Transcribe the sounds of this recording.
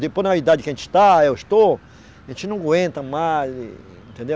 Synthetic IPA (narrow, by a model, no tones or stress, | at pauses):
d̪ipoɾnaβid̪ad͡ʒikẽnt͡ʃi̥t̪aewest̪o | ẽnt͡ʃinũɡwẽnt̪ãmal̰ | ẽnt̪ẽnd̪e